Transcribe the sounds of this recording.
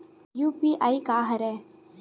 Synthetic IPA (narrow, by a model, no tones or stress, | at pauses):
juːpiːʔaːikaːɦɐɾɛː